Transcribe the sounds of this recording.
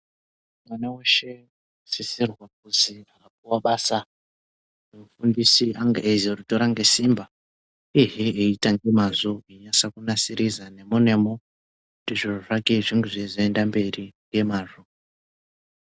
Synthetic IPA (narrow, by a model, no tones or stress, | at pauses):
mwaneweʃe̞ | sisirwak̚uziakap̚uwaɓaːsa | emufundisiʔaŋɡeʔezeruto̞ɾaŋɡe̞simba | iɦeeitaŋɡe̞mazoiɲasakunasiɾizane̞mune̞mo | utiʐiroʐakeʐiŋɡuʐizoendambe̞ri | je̞maːʐo